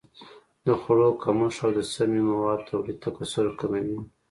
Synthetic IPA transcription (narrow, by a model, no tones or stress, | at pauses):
d̪əxʊɽokamuʂawd̪əsamimawɑd̪̚t̪ʰawlit̪akasʊɾkamawi